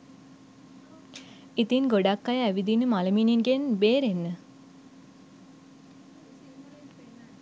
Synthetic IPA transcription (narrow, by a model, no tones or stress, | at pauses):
it̪inɡoɖakːajəæʋid̪inəmaləminiŋɡenbeːɾenːə